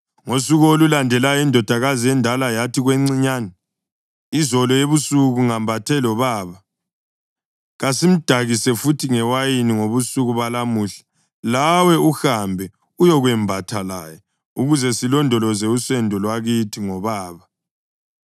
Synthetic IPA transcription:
ŋosuɣolulandʱɛlajɔindʱɔd̥ʱaɣaziɛndʱalajatʰiɣweŋ͡ǀiɲanɛ | izɔlɔjeβusuɣuŋambʱatʰɛlɔβaːβa | ɣasim̩d̥ʱaɣisɛfutʰiŋɛwajiniŋoβusuɣuβalamuɬḁ | lawɛuxambʱɛ | ujɔɣwɛmbʱatʰala̰jɔ | uɣuzɛsilɔndʱɔlɔzɛusɛndʱɔlwaɣitʰiŋɔβaːβa

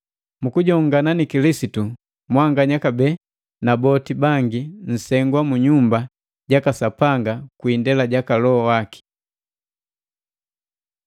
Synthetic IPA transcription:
mukuɟɔŋɡananikilisitu | mwaŋɡaɲakabɛ | nabɔtibaŋɡin̩sɛŋɡwamuɲumba | ɟakasapaŋɡakuindɛlaɟakalɔɔwaki̥

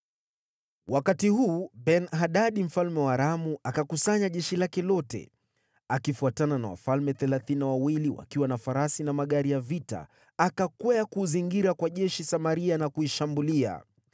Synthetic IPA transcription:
wʔakatihuːbɛnɦaɗaɗim̩falmɛwaɾamuakakusaɲaʄɛʃilakɛlɔtɛ̰ | akifuatanana̰wa̰falmɛθɛlaθinawawiliwa̰kiwanafaɾasinamaɠaɾijavita̰ | akakwɛakuziŋɡiɾakwaʄɛʃisamaɾianakuiʃambulia̰

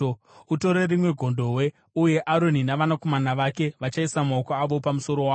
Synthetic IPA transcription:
uto̞ɾerimwe̞ɡʱo̞ndo̞we̞ | uje̞ʔaɾo̞ninaʋanako̞manaʋake̞ʋat͡ʃaisamaokoaʋo̞pamuso̞ɾo̞waː

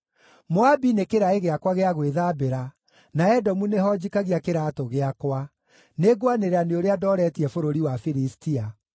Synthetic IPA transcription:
moabinekeɾaeɣeakwaɣeaɣweðaːbeɾa | naɛdɔmuneɦɔd͡ʒikaɣiakeɾaːtoɣeakwa | neɡwaneɾaneoɾeadɔɾɛtiɛfoɾoɾiwafiɾistia

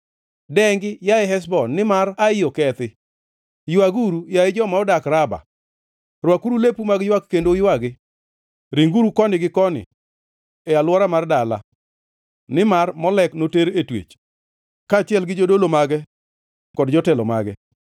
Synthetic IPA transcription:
dɛŋɡɪjaɪɦɛs̬bɔnːɪmaaɪjɔkɛt̪ɪ | jwaɡuɾujaɪd͡ʒɔmaɔdakɾaba̰ | rwakuɾulepumaɡjwakkːendojwaɡɪ | ɾiŋɡuɾukɔnɪɡɪkɔnɪ̰ | ɛalwɔɾamardala̰ | nɪmarmɔlɛknoteɾetwḛt͡ʃ | kaːt͡ʃɪɛlɡɪd͡ʒodolomaɡɛ | kɔdd͡ʒɔtɛlɔ̰ma̰ɡɛ̰

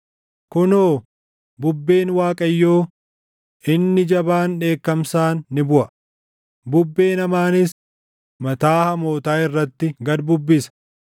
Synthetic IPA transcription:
kʊnoː | bʊbːeːnwaːkʼɐjːoː | ɪnːɪd͡ʒɐbaːnᶑe̞ːkːɐmsaːnːɪbʊʔɐ | bʊbːe̞ːnɐmaːnɪs | mɐt̪aːhɐmo̞ːt̪aːɪrːɐt̪ːɪɡɐd̪bʊbːɪsɐ̥

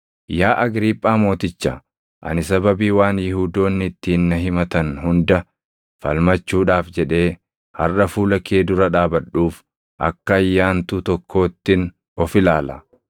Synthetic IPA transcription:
jaːʔɐɡɾiːpʼːaːmo̞ːt̪ɪt͡ʃːɐ̰ | ʔɐ̰nɪsɐbɐbiːwaːnjɪhuːd̪o̞ːnːɪt̪ːɪːnːɐɦɪmɐt̪ɐnhʊnd̪ɐ | fɐ̰lmɐt͡ʃːuːᶑaːfd͡ʒɛᶑe̞ː | hɐ̰rɐfuːlɐkeːd̪ʊɾɐᶑaːbɐᶑuːf | ʔɐ̰kːɐːjːaːnt̪ʊt̪ɔkʰːo̞ːt̪ːɪn | ɔfɪlaːlɐ̰

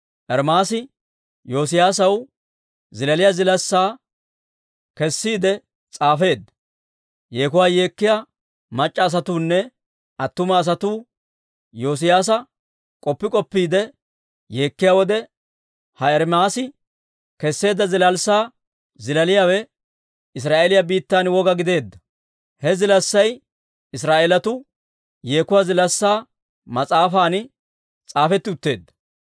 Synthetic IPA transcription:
ʔɛɾmaːsɪ | jo̞ːs̬ɪjaːs̬ɐw | zɪlɐlɪjaːzɪlɐsːaː | kɛsːiːd̪ɛ | t͡sʼaːfe̞ːd̪ːɐ | je̞ːkʊwaːje̞ːkːɪjaː | mɐt͡ʃʼːɐːs̬ɐt̪uːnːɛ | ɐt̪ːʊmɐːs̬ɐt̪uː | jo̞ːs̬ɪjaːs̬ɐ | kʼɔpːɪkʼɔpːiːd̪ɛ | jeːkːɪjaːwɔd̪ɛ | hɐɛɾmaːsɪ | kɛsːe̞ːd̪ːɐzɪlɐlsaː | zɪlɐlɪjaːwɛ | ɪs̬ɾaːʔelɪjabiːt̪ːaːnwɔɡɐɡɪd̪e̞ːd̪ːɐ̥ | hɛzɪlɐsːɐj | ɪs̬ɾaːʔeːlɐt̪ʊ | jeːkʊwaːzɪlɐsːaː | mɐt͡sʼaːfaːn | t͡sʼaːfɛt̪ːɪʊt̪ːe̞ːd̪ːɐ̥

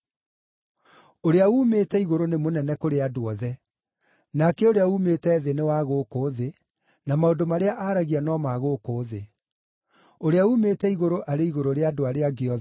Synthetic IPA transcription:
oɾeauːmeːtɛiɣoɾonemonɛnɛkoɾeadoɔðɛ | nakɛoɾeaumeːtɛːðenewaɣoːkoːðe | namaodomaɾeaʔaɾaɣianɔmaɣoːkoːðe | oɾeauːmeːtɛiɣoɾoʔaɾeiɣoɾoɾeadoaɾeaɡeɔ

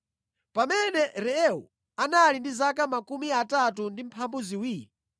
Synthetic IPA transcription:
pamɛnɛɾɛɛṵ | analindizakamakumiatatundim̩pʰambuziwiːi

